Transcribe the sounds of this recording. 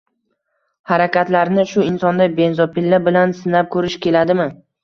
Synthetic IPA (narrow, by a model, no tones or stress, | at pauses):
haɾakʲat̪laɾnɪʃʊɪnsɒnd̪abe̞nzɒpɪlːabɪlansɪnap̚kʰɵɾɪʃkʲe̞lad̪ɪmɪ